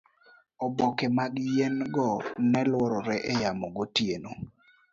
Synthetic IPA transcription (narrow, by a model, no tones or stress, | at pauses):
ɔbɔkɛmaɡjenɡɔnɛlwɔɾɔɾɛʔɛjamɔɡotjeno